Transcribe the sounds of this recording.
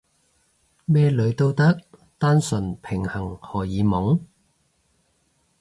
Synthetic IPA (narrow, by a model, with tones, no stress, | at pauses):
mɛː˥lɵ˨˧˥ɥt̪o˧wt̪ɐ˥k̚ | t̪aː˥nsɵ˨˩npʰɪ˨˩ŋhɐ˨˩ŋhɔː˨˩jiː˨˧mʊ˨˥ŋ